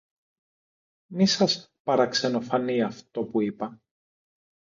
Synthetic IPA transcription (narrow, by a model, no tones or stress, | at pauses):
nisɐspɐɾɐkse̞no̞fɐniɐft̪o̞puipɐ